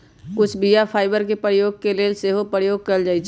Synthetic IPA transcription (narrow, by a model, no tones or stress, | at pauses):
kʊt͡ʃʰbijapʰaːɪbəɾkepəɾjoːɡ̚keleseːɦopəɾjoːɡ̚kɐld͡ʒaːit͡ʃʰ